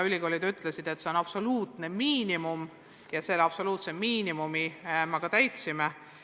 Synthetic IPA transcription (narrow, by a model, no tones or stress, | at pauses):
ylʲiɡo̞ːlid̪yt̪ːˑlesid̪̥e̞t̪ːse̞onɑpso̞luːt̪ne̞miːnimum | jɑse̞lɑb̥so̞luːt̪se̞miːnimumimɑkɑt̪æjt̪sime